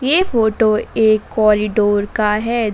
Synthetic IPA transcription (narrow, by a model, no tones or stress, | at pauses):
jeːfoːʈoeːkːɔːɾɪɖoːɾkaɦɛː